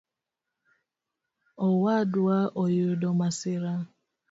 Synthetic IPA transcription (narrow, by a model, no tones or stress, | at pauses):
ɔwadʊaʔɔjʊdɔmasɪɾa